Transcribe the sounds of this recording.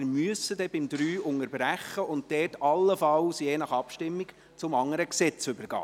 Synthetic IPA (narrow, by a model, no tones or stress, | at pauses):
ɾmyəsədɛbɪmd̪ɾyːʊŋəɾbɾæχːəʔʊnt̚d̥ɛːtɑlːəfɑlsjeːnɑχɑpʃtɪmːik | t͡sʊmɑŋːəɾəksɛt͡sʏbəɾɡ̥ɑ̰ː